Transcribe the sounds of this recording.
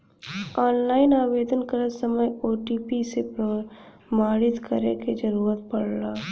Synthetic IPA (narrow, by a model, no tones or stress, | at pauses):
ɔːnlaːɪnaːʋeːd̪ənkəɾəsəməjoːʈiːpisepɾə | maːɽɪt̪kəɾeked͡ʒɐɾuːɾət̪̚pɐɽlaː